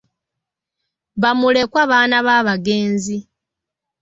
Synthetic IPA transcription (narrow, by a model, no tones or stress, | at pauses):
βamule̞kwaβaːnaβaːβaɡe̞ːnzi